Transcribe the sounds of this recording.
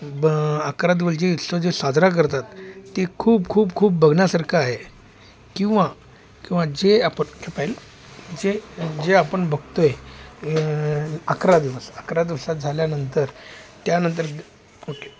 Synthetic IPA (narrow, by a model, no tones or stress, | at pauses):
bəkɾad̪iʋəsd͡ʑeit̪sod͡zesad͡zʱɾak̬əɾt̪at̪ːekʰuːbkʰuːbkʰuːpbəɡʱɳjasaɾkʰaːɦe | kĩw̃ʋa | kĩw̃ʋad͡ʑeapəɳkʰepajl | d͡ʑed͡ʑeapəɳbəɡ̚ʱt̪oje | akɾad̪iʋəsəkɾad̪iʋsat̪̚d͡zʱaljanənt̪əɾt̪janənt̪̬əɾ | oʈe̥